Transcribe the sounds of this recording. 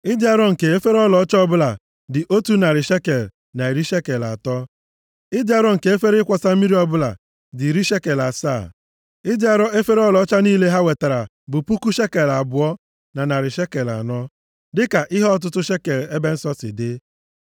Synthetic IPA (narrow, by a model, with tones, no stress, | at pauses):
ɪ˦dɪ˦a˦ɾɔ˦ŋ̩˨ke˨e˦fe˦ɾɔ˦lɔ˨˦t͡ʃɔ˦bʊ˦la˨ | dɪ˨ʔo˦tu˦na˨ɾɪ˨ʃe˦ke˨l | na˨e˨ɾi˦ʃe˦ke˨la̰˨tɔ˦ | ɪ˦dɪ˦a˦ɾɔ˦ŋ̩˨ke˨˦e˦fe˦ɾɪ˦kʷɔ˨sa˦mi˦ɾi˦ɔ˦bʊ˦la˨ | dɪ˨ɾi˦ʃe˦ke˨la˨saː˦˨ | ɪ˦dɪ˦a˨ɾɔ˦e˦fe˦ɾɔ˦lɔ˨˦t͡ʃa˦niː˦le˦ɦa˦we˨ta˨ɾa˨ | bʊ˨pu˦ku˦ʃe˦ke˨la˨bʊ˨ɔ˦ | na˨na˨ɾɪ˨ʃe˦ke˨la̰˨nɔ˦ | dɪ˦ka˨ʔɪ˦ɦɔ˦ɔ˦t̬ʊ˦tʊ˦ʃe˦ke˨le˦be˦n̩˦sɔ˦sɪ̰˨dɪ˦